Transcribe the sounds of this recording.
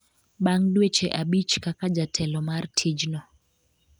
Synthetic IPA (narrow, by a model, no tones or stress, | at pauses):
ɓaŋdwet͡ʃeʔabit͡ʃkakad͡ʒatʰɛlɔmartʰid͡ʒnɔ